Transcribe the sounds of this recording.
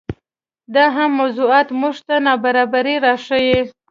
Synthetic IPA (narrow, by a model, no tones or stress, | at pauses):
d̪ɑɦamːawzuɑt̪muʒt̪anɑbaɾɑbaɾiɾɑʂəje